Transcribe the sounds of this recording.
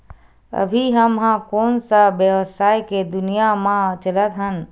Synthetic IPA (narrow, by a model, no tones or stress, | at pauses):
ə̰bʱiɦəmɦãkoːnsabjəʋsaːjked̪ʊnijamãt͡ʃələt̪ɦən